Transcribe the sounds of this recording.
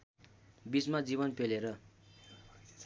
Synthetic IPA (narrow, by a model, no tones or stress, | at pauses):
bit͡smad͡zibʌnpʰeleɾʌ